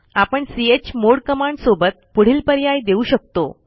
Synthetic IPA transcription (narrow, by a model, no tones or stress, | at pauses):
apəɳsiet͡ɕmoɽkəmaɳɖsobət̪̚puɽ̤iːlpəɾjajd̪euːɕək̚t̪o̰